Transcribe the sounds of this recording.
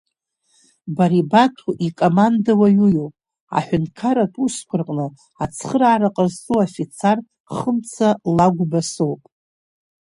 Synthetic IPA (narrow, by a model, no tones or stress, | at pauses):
baɾibatʰuʔikʼomandawajujowpʼ | a̰ħʷᶣʊnkʰaɾatʼuskʷʰʊrqʼnɨ | at͡sʰχəɾaːɾaqʼərzt͡sʼuafit͡sʰar | χəmt͡sʰalaɡʷbasowpʼ